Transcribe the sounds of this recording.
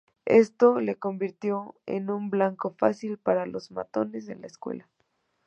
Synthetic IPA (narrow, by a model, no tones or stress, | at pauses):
est̪o̞le̞ko̞mbiɾt̪jo̞ḛnũmblaŋko̞fasilpaɾalo̞zma̰t̪o̞ne̞s̬e̞̰nlaeskwḛla